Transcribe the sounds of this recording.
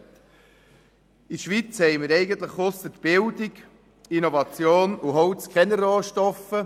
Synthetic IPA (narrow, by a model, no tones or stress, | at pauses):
iʃʋit͡shɛɪməɾɛɪɡənt̪ləχχɔsət̪b̥ɪldɪɡ | inovɑt͡sjoːnuɦɔwt͡skχɛnərɔːʃtɔfə